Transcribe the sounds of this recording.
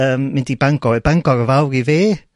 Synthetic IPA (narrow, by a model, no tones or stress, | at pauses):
əːmːɪndibaŋɡɔɛbaŋɡɔɾəvawɾiveː